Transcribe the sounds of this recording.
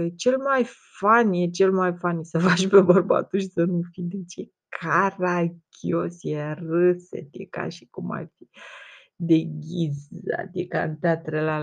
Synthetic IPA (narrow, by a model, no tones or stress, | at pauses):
jet͡ʃe̞lmaj | fanjet͡ʃe̞lmajfansəfaʃpe̞bərba̰t̪uʃisənufijd̪et͡ʃe | kʰarakʲʰiosjerəsḛt̪jḛka̰ʃi̥kuma̰rfi | d̪e̞ɡʲiza̰t̪eka̰nt̪at̪ɾela